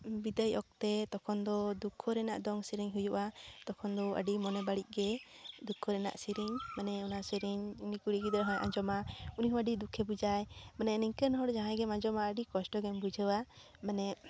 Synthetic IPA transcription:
bid̪əjɔk̚t̪ɛt̪ɔkʰɔnd̪ɔd̪ukʰːɔɾɛna̰ʔd̪ɔŋsiɾiɲɦujuʔat̪ɔkʰɔnd̪ɔə̰ɖimɔnɛbaɽiʔ̚ˀɡɛd̪ukʰːɔɾɛna̰ʔsiɾiɲmanɛunaʔsiɾiɲunikuɽiʔɡid̪ɾɛɦɔ̃jʔã̰d͡ʒɔmauniɦɔwaɖid̪ukʰːɛbud͡ʒajmanɛniɲkənɦɔɽd͡ʒaɦãɡɛmãd͡ʒɔmaəɖikɔsʈɔɡɛmbud͡ʒʱəwa | manɛ

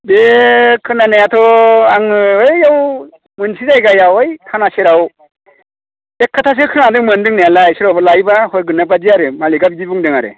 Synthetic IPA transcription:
bekʰɯnanajatʰɔaŋɯɯaw | mɯnsizajɡajawɯjkʰanaseɾaw | ekʰːatʰas̬ɯkʰɯnadɯŋmɯndɯŋnealajsiɾawbalajbahɔɾɡɯnːapad͡ʒiaɾɯmaliɡap̚dibɯŋdɯŋaɾɯ̰

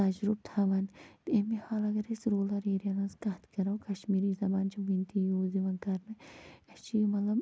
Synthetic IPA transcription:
ɐd͡ʒɾub̚t̪ʰaʋɐnt̪emihaːlɐɡɐɾesɾoːlɐɾeːɾijɐnɐnskɐt̪kɐɾɐwkɐʃmiːɾiːzɐbaːnt͡ʃʰɐʋint̪ijoːziʋɐnkɐɾnɨɐt͡ʃʰijumɐlɐb

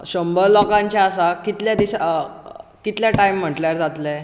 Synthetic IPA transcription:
ɕəmbəllɔkãɲt͡ɕjaːsakit̪ljad̪iɕa | kit̪ljaʈaim̤ːəʈljaɾd͡zat̪le

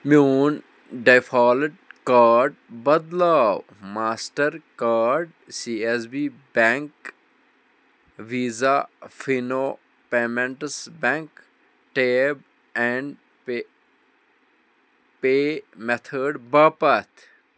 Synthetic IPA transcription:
mjuːn | ɖajfʰaːlɪʈ̚kaːɾɖbɐd̪laːw | maːsʈəɾkaːɾɖ | sies̬biːbɛ̃ŋk | ʋiːzafino | peːmẽɳʈəsbɛ̃ŋk | ʈeːb̚ | ɛ̃ɳɖ | peːmet̪ʰəɖbaːpɐt̪ʰ

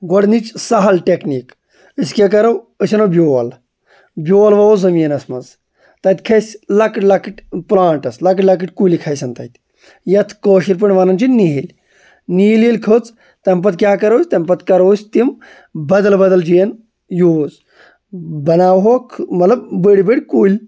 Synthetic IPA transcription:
ɡoɽnit͡ʃsɐɦɐlʈʲekniːk | əskʲek̬ɐɾɐw | əsʲɐnobʲjoːl | bʲjoːlʋɐozɐmiːnɐsmɐnz | t̪ɐt̪ʲkʰɐsʲlɐkʈlɐkiʈʲplãːɳʈɐslɐkʈlɐkiʈʲkulikʰɐjsɐnt̪ɐt̪ʲ | jɐt̪ʰkoːʃiɾʲp̬iɳʋaːnɐnt͡ʃʰinniɦil | niːlilkʰot͡s | t̪ɐmpɐt̪̚kʲjaːkɐɾɐwsʲt̪ɐmpɐt̪kɐɾɐwsʲt̪im | bɐd̪ɐlbɐd̪ɐld͡ʒijɐn | joːz | bɐnaːwɦokʰmɐt̪lɐb̚bəɽʲibəɽʲkuːlʲ

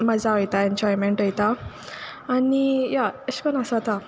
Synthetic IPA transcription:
məd͡zaəjt̪aeɲd͡ʑɔjmeɳʈəjt̪aː | nijaəɕpənasat̪a

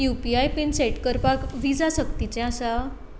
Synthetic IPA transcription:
jupiajpinseʈkəɾpakʋid͡zasəkt̪it͡ɕɛ̃asa

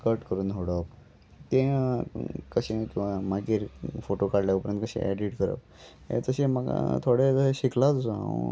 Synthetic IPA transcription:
kəɾʈkəɾuːnɦoɽəp | t̪ẽ | kəɕẽkĩw̃ʋamaɡiɾfoʈokaɽljapəɾənt̪kəɕḛ̃ʔɛɖiʈkəɾə̰p̚ | ḛt̪əɕemaɡa̰t̪ʰoɽed͡zəeɕikʰlat͡sd͡zã̰ṵ̃

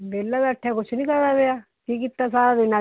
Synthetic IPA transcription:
beːlːaːbəʈʰːakʊt͡ʃʰnĩːkəɾd̪aːɡeaː | kiːk̬it̪ːasaːɾaːd̪ɪnã

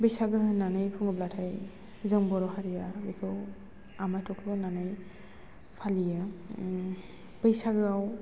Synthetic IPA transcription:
bɯjsaɡɯhɯnːanɯjpʰɯŋɡɯblatʰaj | zɯŋbɔɾɔhaɾijabɯjkʰɯw | amajtʰɔkʰlɔnanɯj | pʰalijɯ | b̥ɯjsaɡɯaw

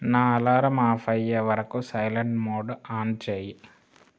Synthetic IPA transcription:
naːlaːɾɐmaːfɐjɐʋɐɾɐkːosɐjlɐɳɖmoːɖaːnt͡ɕeji

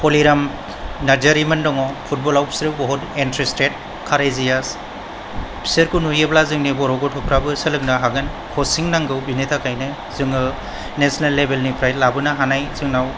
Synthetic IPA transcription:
pʰɔliɾam | naɾd͡ʒaɾimɯndɔŋɔpʰut̚bɔlawpʰi̥sɾɯbɔɦɔtentɾistet̚ | kʰaɾejzijas | pʰi̥seɾkunujeblazɯŋnibɔɾɔɡɔtʰɔpʰɾabɯsɯlɯk̚naɦaɡɯn | kʰɔsiŋnaŋɡɯwbinetʰakʰajnɯ | zɯŋɯ | nesinalːebelnipʰɾajtlabɯnaɦanajzɯŋnaw

